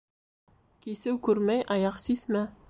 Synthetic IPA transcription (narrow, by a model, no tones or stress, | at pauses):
kisɘwkʉɾmæjʔɑjɑqsismæ